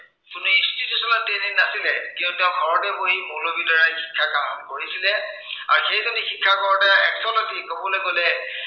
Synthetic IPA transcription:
kʊnuinstitjusɔnatedinnasilɛkintutɛʊ̃ɡʱɔɹɔtɛboɦimulobidɔɹaɹxi̥kʰːakamkoɹisilɛa̰ɹuxejzonixikʰːakɔɹɔtaɛksɔnatikɔbɔlokolɛ

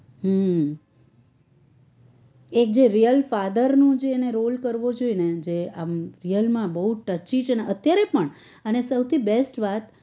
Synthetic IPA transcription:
ɦəm | ek̚d͡ʒeɾijəlfad̪əɾnũd͡ʒeːneɾolkəɾʋod͡ʒoined͡ʒeamɾijəlmãbəɦuʈət͡ʃit͡ʃʰeneət̪jaɾepəɳ | ənesəwt̪ʰibesʈʋat̪

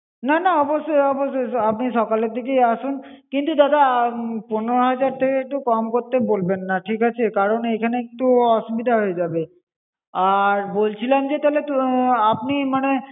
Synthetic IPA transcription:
nanaɔboʃːojɔboʃojap̚niʃɔkaleɾd̪ʱik̬ejaʃunkint̪ud̪ad̪aponeɾoɦad͡ʑaɾt̪ʰekeek̚ʈukɔmkoɾt̪ebolbenːaʈʰikat͡ɕʰekaɾonejkʰaneit̪uɔʃubid̪ʱaɦoed͡ʑabe | aɾbolt͡ɕʰilamd͡ʑet̪alet̪uapnimane

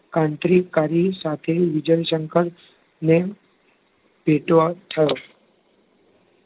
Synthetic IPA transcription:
kãɳʈ̪ɾikːaɾisat̪ʰeʋid͡ʒəjʃəŋkəɾ | ne | bʱeʈʋat̪ʰəjo

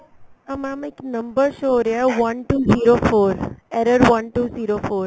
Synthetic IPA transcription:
əmãmiknəmbəɾʃoɾaʋɐnʈuːziɾofoːɾɛɾəɾʋɐnʈuːziɾofoːɾ

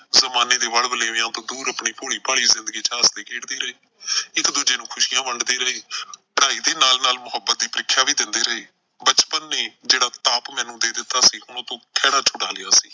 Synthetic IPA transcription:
zəmaːneːd̪eːʋəɽbəleːjãːt̪õːd̪uːɾəpɳiːpoːɽiːpaːɽiːzɪnd̪əɡiːt͡ʃaːsd̪eːkeːʈd̪iːɾəɦeː | ɪkd̪uːd͡ʒeːnũːkʰʊʃiːjãːʋəɳɖd̪eːɾəeːpəɽaːiːd̪eːnaːlnaːlmʊɦəbːət̪̚d̪iːpəɾɪkʰːjaːʋiːd̪ɪnd̪eːɾəɦeː | bət͡ʃpənːeːd͡ʒeːɽaːt̪aːpmɛ̃ːnũːd̪eːd̪ɪt̪ːaːsiːɦʊɽ̃õːt̪õːkʰɛːɽaːt͡ʃʰʊɽaːlɪjaːsiː

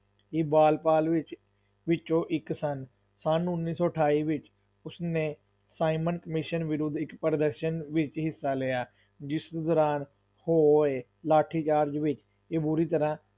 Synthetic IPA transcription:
ibaːlpaːlʋɪt͡ʃ | ʋɪt͡ʃõːʔɪksən | sanʊnːiːsɔːʈʰaːiːʋɪt͡ʃ | ʊsneː | saːimənkəmɪʃənʋɪɾʊd̪ɪkpəɾəd̪əɾʃənʋɪt͡ʃɦɪsːaːleːjaː | d͡ʒɪsd̪ɔːɾaːn | hoːeː | laːʈʰiːt͡ʃaːɾd͡ʒʋɪt͡ʃ | eːbʊɾiːt̪əɾãː

